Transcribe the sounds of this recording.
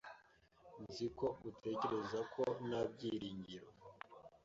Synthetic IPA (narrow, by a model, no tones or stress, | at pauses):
nziko̞utʰe̞ce̞ɾe̞zakʰo̞nab̚ɟiɾiːɲɟiɾo